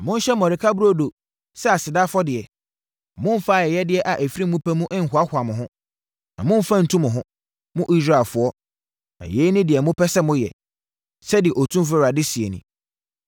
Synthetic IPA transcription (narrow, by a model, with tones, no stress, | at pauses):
mʊ̃˦n̩˦ɕɛ˦mɔ̃˨ɾɪ˨kʰa˦bu˦ɾo˦do˨ | sɛ˦a˨sɪ˨da˦fɔ˦dɪ˨ɛ˨ | mʊ̃˦m̩˦fa˦˨jɛ˨jɛ˦dɪ˦ɛ˦ʔa˨ʔæ˨fi˦ɾi˦mũ˦pʰɛ˦mũ˦ʔɪ̃˦ŋ̩˦hʊ˨a˦hʷʊ˨a˨mʊ̃˨ɦʊ̃˦ | nã̰˨mʊ̃˦m̩˨fã˦n̩˨tʰũ˦mʊ̃˨ɦʊ̃˦ | mʊ̃˦ʔi˦sɾa˦ɛ˨lfʊ˦ɔ˦ | na̰˨jeː˨˦nɪ̃˦dɪ˨ɛ˨mʊ̃˦pʰɛ˦sɛ˦mʊ̃˦jɛ̰˨ | sɛ˦dɪ˨ɛ˨ʔɔ˨tʰũ˦mf̬ɪ˦˨ɾa˨dɪ˦si˨e˨nʊ̰̃˦